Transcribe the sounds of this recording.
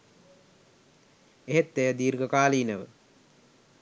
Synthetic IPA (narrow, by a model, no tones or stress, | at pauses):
eɦet̪ːejəd̪iːɾɡəkaːliːnəʋə̰